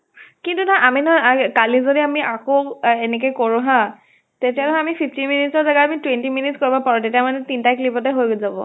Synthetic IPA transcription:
kintunaʔaminɔakalizodiamiʔakoenɛk̬ojkoɹũɦã | tetiatɔamipʰipʰtinminitsɔɹzaɡaamitwentiminitskoɹibɔpaɹutetijamanɛtintaklipɔtɛɦojɡozabɔ̰

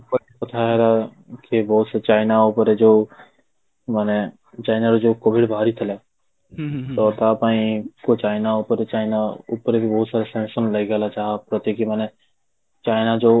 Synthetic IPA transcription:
pə | pɐt̪ʰaɦɛɾa | kebɔɦːt̪set͡ʃaːɪnaupəɾed͡ʒo | maːne | t͡ʃaːɪnaɾod͡ʒokoːbɪɖbʱaːɾit̪ʰəlɛ | t̪ɔt̪apaːĩkot͡ʃaːɪnaupəɾet͡ʃaːɪnaupɾebʱibɔɦʊt̪saːɾasɛ̃ːnsənlɐɡalat͡ʃaːɦapɾət̪ekimaːne | t͡ʃaːɪnad͡ʒo

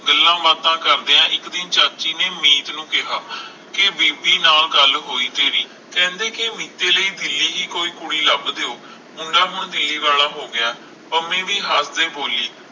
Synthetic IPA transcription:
ɡəlːãːbaːt̪ãːkəɾd̪eːãːʔɪkd̪ɪnt͡ʃaːt͡ʃiːneːmiːt̪nũːkɪɦaː | kɪbiːbiːnaːlɡəlɦoːiːt̪eːɾiː | kɛ̃ːnd̪eːkɪmiːt̪eːləiːd̪ɪlːiːɦiːkoːiːkʊɽiːləbd̪eːoː | mʊɳɖaːɦʊɳd̪ɪlːiːʋaːlãːɦoːɡɪãː | pəmẽːʋiːɦaːsd̪ẽːboːliː

